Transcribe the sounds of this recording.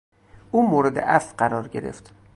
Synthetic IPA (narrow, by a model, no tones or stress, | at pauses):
ʔuːmoːɾed̪ḛʔæfɢæɾɒːɾɟe̞ɾḛft̪